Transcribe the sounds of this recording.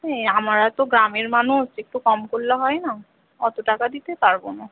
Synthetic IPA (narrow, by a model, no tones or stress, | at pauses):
eamaɹat̪oɡɾameɹmanusek̚ʈukɔmkoɾilaɦɔjna | ɔt̪uʈakad̪it̪epaɹbono